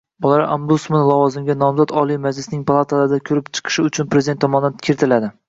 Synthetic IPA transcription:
bʊlˠaɾʔambut̪smanlˠɒvɒzɪmɡʲanɒmzat̪ɒlˠijmad͡ʒlɪsnɪŋpʰalˠat̪ʰalaɾɪd̪akʲʰɵɾɪpt͡ʃʰɨ̥qʰɨ̥ʃɪʊt͡ʃʰʊnpɾezd̪ent̪ːʰɒmɒnankʲʰeɾt̪ʰɪlad̪ɪ

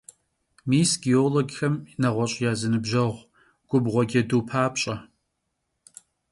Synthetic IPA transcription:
miːsɡioːloɡxɐmnɐʁʷɔɕʼjaːzɨnɨbʒɐʁʷ | ɡ̥ʷʊbʁʷɔɡʲɐduːpʰaːpʼɕʼɐ

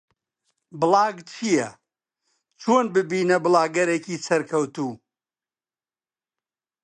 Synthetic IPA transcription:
bɨlˠɑːɡt͡ʃʰijɐ | t͡ʃʰoːnbɨbiːnɐbɨlˠaːɡɐɾeːciːsɐɾkʰɐwt̪uː

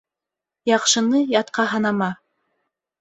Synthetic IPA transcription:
jɑqʃɤ̆nɤjɑt̪̚qɑɦɑnɑmɑ

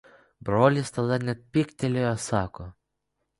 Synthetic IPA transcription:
bɾoːlʲɪst̪ɐd̪ɐnʲɛt̪̚pʲɪkʲt̪ʲɛlʲejɔsɑːkoː

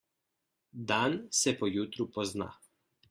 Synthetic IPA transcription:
d̪aːnsɛpɔjut̪ɾupɔzna̰

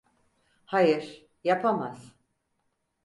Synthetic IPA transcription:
hajɯɾ̥ | japʰamaz̥

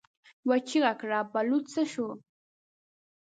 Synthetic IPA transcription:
wat͡ʃɪɢɑkɾapalʊt͡saʃʊː

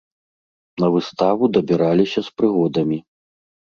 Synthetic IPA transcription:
nɐvɨst̪avud̪ɐbʲiɾalʲisʲɐspɾɨɣɔd̪ɐmʲi

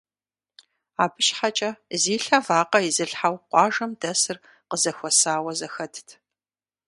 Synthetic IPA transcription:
aːbɨʃħat͡ʃʼɐziːɬɐvaːqɐizɨɬħawqʷɑːʒɐmdɐsɨr | qəzɐxʷɔsaːwɐzɐxɐtʰtʰ

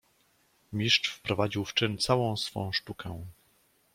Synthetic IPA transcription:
mʲiʂt͡ʂfpɾɔvad͡ʑiwft͡ʂɘnt̪sawɔ̃w̃sfɔ̰̃w̃ʂtukʰɛ̃

